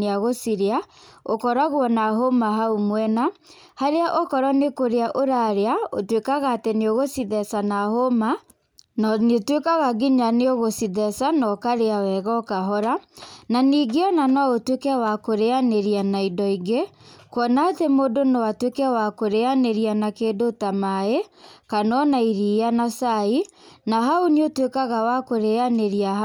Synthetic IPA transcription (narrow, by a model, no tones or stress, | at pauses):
eaɣosiɾeaokɔɾaɣwɔnaɦomaɦaumwɛna | haɾeaʔokɔɾɔnekoɾeaʔoɾaɾeao̰twekaɣaːteneoɣosiðɛsanahoma | nɔnetwekaɣaɡiɲaneoɣosiðɛsanɔkaɾeawɛɣɔkaɦɔɾananiːɡeɔnanɔotwekɛwakoɾeaneɾianaidɔiɡe | kwɔnatemodonɔwatwekɛwakoɾeaneɾianakeːdotamaekanɔnaiɾianasainaɦauneotwekaɣawakoɾeaneɾia